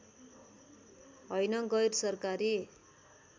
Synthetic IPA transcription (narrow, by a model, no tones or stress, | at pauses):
ɦʌjnʌɡʌjrsʌrkaɾi